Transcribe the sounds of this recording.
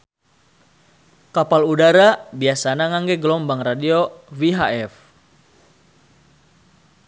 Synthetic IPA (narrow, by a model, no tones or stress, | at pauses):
kapaludaɾabiasanaŋaŋɡɛɡəlɔmbaŋradioviɦaɛf